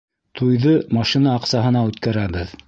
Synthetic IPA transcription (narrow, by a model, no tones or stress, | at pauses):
t̪ʰujðɤmɑʃinɑːqsɑɦɤ̆nɑʉt̪kæɾæβɘð